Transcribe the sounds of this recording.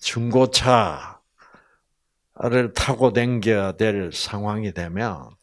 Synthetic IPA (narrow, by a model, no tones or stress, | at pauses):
t͡ɕuŋɡot͡ɕʰa | ɾɯɭtʰaɡodweŋɡʌdweɭsʰaŋwaŋidwe̞mjʌ̰n